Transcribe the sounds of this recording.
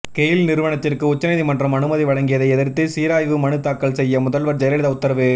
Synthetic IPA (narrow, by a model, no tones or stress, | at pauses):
keːjɪlnɪɾɯʋɐɳɐt̪ːɪrkɯʊt͡ʃːɐnɐɪðimɐndrɐmɐnɯmɐðiʋɐɻɐŋɡɪjɐðɐɪɛðɪɾt̪ːɯsiːɾaːjʋɯmɐnɯt̪ːaːkːɐɭsɛjːɐmʊðɐlʋɐɾd͡ʒɐjɾɐɽɪðɐʊt̪ːɐɾɐʋɯ